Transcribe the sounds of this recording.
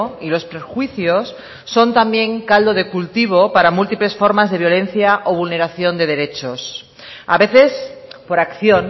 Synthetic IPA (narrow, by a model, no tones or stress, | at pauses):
ilo̞spɾexwiθjo̞sː | o̞nt̪ambjẽ̞ŋkald̪o̞ðe̞kult̪iβ̞o̞paɾamult̪iple̞sfo̞ɾmazðe̞β̞jo̞le̞n̟θjaʔoβulne̞ɾaθjo̞nd̪e̞ðe̞ɾe̞t͡ʃos | aβe̞θe̞spo̞ɾakθjon